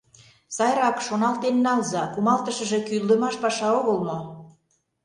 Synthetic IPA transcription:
sɑjɾɑkʃonɑlt̪enːɑlzɑkumɑlt̪ə̆ʃə̆ʒe̽kyld̪ə̆mɑʃpɑʃɑoɣə̆lmo

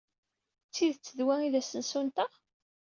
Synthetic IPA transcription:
t͡sːiðt͡sːəðwæiðæsənsunt̪əʁ

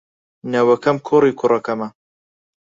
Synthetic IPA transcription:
nɐwɐkɐmkʰoɾiːkʰʊrɐkɐmɐ

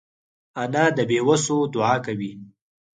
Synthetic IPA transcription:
anad̪əbewəsod̪ʊɑkawi

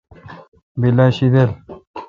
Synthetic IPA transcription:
bilaɕid̪el

